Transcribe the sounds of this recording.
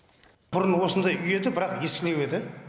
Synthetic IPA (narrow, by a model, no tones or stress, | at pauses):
b̥ʊɾənwo̞sənd̪ɑjʔʏje̞d̪ɪbɪɾɑqje̞skʲɪle̞we̞d̪ɪ